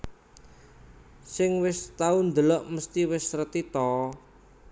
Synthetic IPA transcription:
sɪŋwɪst̪aund̪əlɔʔməst̪iwɪsrət̪it̪ɔ

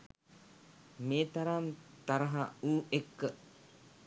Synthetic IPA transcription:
meːt̪aɾant̪aɾəɦauːekːə

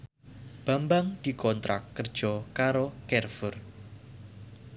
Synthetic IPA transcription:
b̥ambaŋd̪̥i̤kɔnt̪ɾa̰kːərd̥ʒ̥ɔkaɾokɛrfʊr

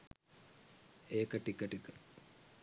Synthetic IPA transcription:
eːkəʈikəʈikə

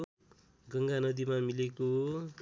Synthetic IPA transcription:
ɡʌŋɡanʌd̪imamileko

